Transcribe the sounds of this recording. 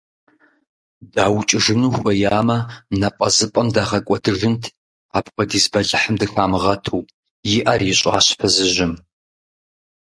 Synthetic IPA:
daːwt͡ʃʼɪʐɨnuːxʷɐjaːmɐnɐpʼɐzɨpʼɐmdaːʁɐkʷʼɔdɨʐɨntʰ | aːpxʷɔdiːzbɐɮɨħəmdɨxaːmɨʁɐtʰuː | jɪʔɐrjɪɕʼa̰ːɕfʰɐzɨʒɪm

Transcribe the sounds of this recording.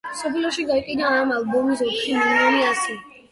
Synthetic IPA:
msɔpʰlɔʃiɡaiqʼinaːmalbɔmis̬ɔtʰʃimɛnaniasi

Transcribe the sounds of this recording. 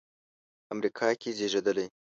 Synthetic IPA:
amɾikʰɑkezeʒed̪əlej

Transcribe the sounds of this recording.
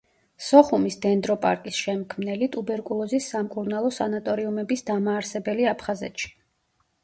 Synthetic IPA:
sɔχumisd̪ɛnd̪ɾɔpʼa̰ɾkʼisʃɛmkʰmnɛlit̪ʼubɛɾkʼulˠɔzisːamkʼuɾnalˠɔsanat̪ʼɔɾiumɛbisd̪amaːɾsɛbɛliapʰχazɛ̰t̪ʃi̥

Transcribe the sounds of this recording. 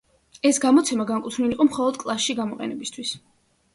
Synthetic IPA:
ɛsɡamɔt̪sʰɛmaɡaŋkʼut̪ʰvniliqʼɔmχɔlˠɔd̪kʼlˠasʃiɡamɔqʼɛ̰nɛbist̪ʰwis

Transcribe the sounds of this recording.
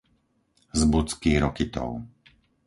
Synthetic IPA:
zbut͡skiːɾɔkit̪ɔ̰ʊ

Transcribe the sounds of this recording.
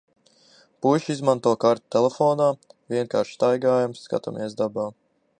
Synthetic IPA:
puʃizmant̪uɔkaɾt̪u̥t̪elɛfɔːnaːvʲiɛŋkaːɾʃst̪ajɡaːjamsːka̰t̪a̰mʔiɛsd̪abaː

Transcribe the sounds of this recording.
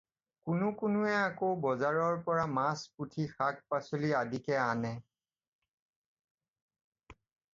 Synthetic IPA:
kʊnʊkʊnʊɛakowbɔzaɹɔɹpɔɹamasputʰixak̚pasuliadikɛanɛ

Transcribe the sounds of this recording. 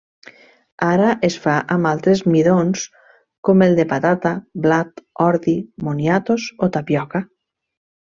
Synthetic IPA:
aɾaʔesfaʔamalˠt̪ɾezmiðons | komelˠd̪epat̪at̪ablat̪ɔɾðimonjat̪osot̪apjɔka

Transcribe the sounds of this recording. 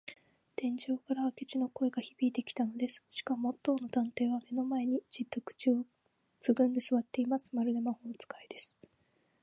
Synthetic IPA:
t̪ẽ̞ɲ̟d͡ʑo̞ːkaɾaβake̞t͡ɕino̞ko̞e̞ɡaçib̥ʲiːt̪e̞kʲi̥t̪ano̞d̪e̞sɨ̥ɕi̥kamo̞t̪ːo̞ːno̞d̪ãnt̪e̞ːβame̞no̞mae̞ɲ̟id͡ʑid̪ːo̞kɯ̟̥t͡ɕio | t͡sɨɡɯ̟̃nd̪e̞sɨβat̪ːe̞imasɨ̥maɾɯ̟d̪e̞maho̞not͡sɨ̥kaid̪e̞sɨ̥

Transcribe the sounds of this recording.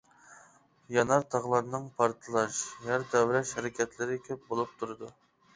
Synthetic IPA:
jɑnɑɾt̪ʰɑʁlˠɑɾnːɨŋpʰɑɾt̪ʰɨlˠɑʃjɑɾd̪ɛwɾɛʃhæɾɪkʲʰɛt̪ʰlɪɾɪkʲʰøp̚bolˠup̚t̪ʰuɾɨd̪u

